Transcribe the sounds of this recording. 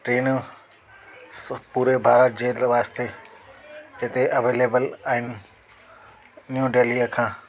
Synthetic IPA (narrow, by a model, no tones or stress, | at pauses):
ʈɾeːnu | puːɾebʱaːɾət̪̚d͡ʑeːlʋaːst̪ʰe | et̪eʔɐʋeːleːbəlaɦɪn | njũːɖeːliəkʰãː